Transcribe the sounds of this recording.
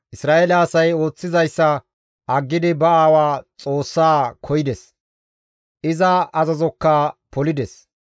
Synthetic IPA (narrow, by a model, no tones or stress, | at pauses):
ʔɪsɾaːʔeːlɐɐsɐjo̞ːt͡sːɪzɐjsːɐ | ɐɡːɪd̪ɪbɐaːwaːt͡sʼo̞ːsːaːkʰɔjɪd̪ɛs | ʔɪzɐɐzɐzɔkːɐpɔlɪd̪ɛs